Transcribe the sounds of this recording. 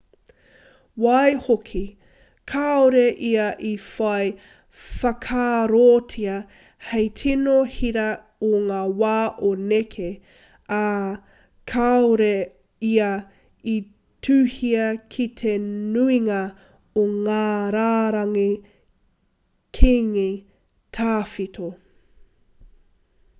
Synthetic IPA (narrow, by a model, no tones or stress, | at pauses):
wɐjhokʰi | kʰaoɾeʔiɐʔifɐj | fɐkʰaːɾoːtʰiɐ | hejtʰinohiɾɐ | oŋaːwaːʔonekʰe | a | kʰaoɾe | iɐ | i | tʰʉːhiɐkʰit̪ʰenuiŋɐ | oŋaːɾaːɾɐŋi | kʰiŋi | tʰaːfitʰo